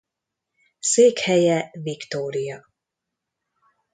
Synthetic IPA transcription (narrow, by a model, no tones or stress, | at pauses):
seːkhɛjɛvikt̪oːɾijɒ